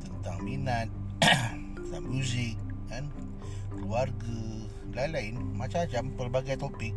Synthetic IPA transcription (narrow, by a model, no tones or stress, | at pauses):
t̪ənt̪aŋminat̪̚ | sa̰mjuzɪk̚ːan | kluarɡa | lailainmat͡ʃat͡ʃampərbaɡajt̪ɔpɪk̚